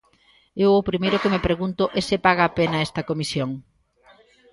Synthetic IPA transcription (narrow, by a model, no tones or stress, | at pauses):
ewopɾimejɾʊkemepɾeɣunt̪ʊʔesepaɣ̞ɐːpenɐɛst̪ɐkomisjoŋ